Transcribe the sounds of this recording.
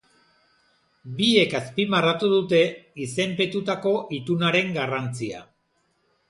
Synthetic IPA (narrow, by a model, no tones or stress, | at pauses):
bie̞kaspimarat̪uðut̪e̞ise̞mpe̞t̪ut̪ako̞ʔit̪unaɾe̞ŋɡarant͡sia̰